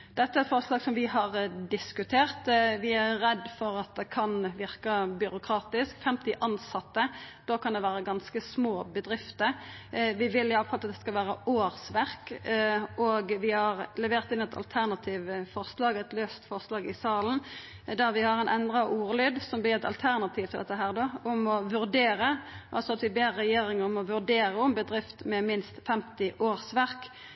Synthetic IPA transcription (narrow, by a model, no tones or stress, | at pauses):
d̪̥ɛt̪ːəæɾɛt̪fɔʁslɑːɡsɔmʋɪɦɑʁd̪ɪskʉt̪ʰeːʁt̪ʋɪæːɛd̪ːfɔɾɑt̪̚d̪ɛkʰɑnʋɪʁkɑbʏɾʊkʰʁɑːt̪ɪskfɛmt̪ɪʔɑnsɑt̪ːəd̪̥oːkʰɑnd̪ɛʋæːɾəɡɑnskəsmoːbəd̪ʁɪft̪əʋɪʋɪlɪɑʋfɑlɑt̪̚d̪ɛskɑlʋæːɾəoːɾsʋæɾk | ʔɔɡʋɪhɑʁlɛʋeːʁt̪ɪnːɛt̪ʰɑ̰lt̪ʰæʁnɑt̪ʰiːʋfɔʁslɑːɡɛt̪løːst̪fɔʁslɑːɡɪsɑːlən | d̪æʋɪhɑɾɛnʔɛnd̪ʁɑʔuːɾəlyːd̪sɔmb̪ɪɾɛt̪ɑ̰lt̪ʰæʁnɑt̪ʰiːʋt̪ʰɪld̪ɛt̪ːəɦæːʁd̪oʊmɔʋʉɾd̪eːɾəʔɑ̰lsɔɑt̪ʋɪbeːʁːɛjeːɾɪŋəɾʊmɔʋʉʁd̪eːɾəʊmbəd̪ɾʁɪft̪mɛmɪnst̪fɛmt̪ɪʔoːʁsʋæɾk